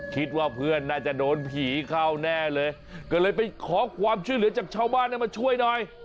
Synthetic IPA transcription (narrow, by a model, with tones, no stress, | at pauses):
kʰi˦˥t̪̚waː˥˩pʰɯ˥˩ənːaː˥˩t͡ɕa˨˩ʔdoː˧npʰiː˨˩˦kʰaː˥˩wnɛː˥˩lɤː˧j | kɔː˧˩lɤː˧jpa˧jkʰɔː˩˦kʰwaː˧mt͡ɕʰu˥˩˨jlɯ˩˦ɐt͡ɕaː˨˩k̚t͡ɕʰaː˥˩wbaː˥˩˨nːa˥˩ma˧˩t͡ɕʰu˥˩əjnɔː˨˧˩j